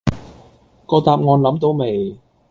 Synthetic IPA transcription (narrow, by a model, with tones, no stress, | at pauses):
kɔː˧t̪aː˨p̚ŋɔː˨˧nlɐ˨˥mt̪o˨˧wme˨˩j